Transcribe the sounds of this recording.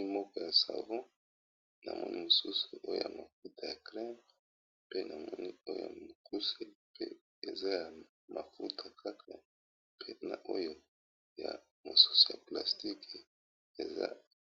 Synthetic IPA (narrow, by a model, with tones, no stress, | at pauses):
i˦mɔ˦kɔ˦ja˨sa˨vɔ̃˦ | na̰˨mɔ̰˦ni˦mo˨su˦su˨ʔo˦jo̰˦ja˨ma˨fu˦tʰa˨ja˨kʁɛ˦m | pe˦na˨mɔ˦ni˦o˦jo̰˦ja̰˨mo˨ku˦se˦pe˦ | e˨za˦ja˨ | ma˨fu˦ta˨kʰa˦kʰa˨ | pʰe˦na˨ʔo˦jo˦ | ja˨ | mo˨su̥˦su̥˨ja˨pla˨sti˦k | e˨za̰˦